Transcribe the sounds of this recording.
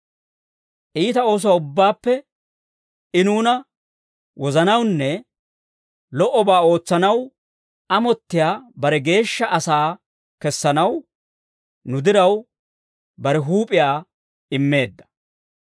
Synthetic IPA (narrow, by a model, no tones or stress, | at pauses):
ʔiːt̪ɐo̞ːs̬ɔwaːʊbːaːpːɛ | ɪnuːnɐ | wɔzɐnɐwnːɛ | lɔʔɔbaːo̞ːt͡sːɐnɐw | ɐmɔt̪ːɪjaːbɐɾɛɡe̞ːʃːɐʔɐsaː | kɛsːɐnɐw | nʊd̪ɪɾɐw | bɐɾɛɦuːpʼɪjaː | ɪmːe̞ːd̪ːɐ̥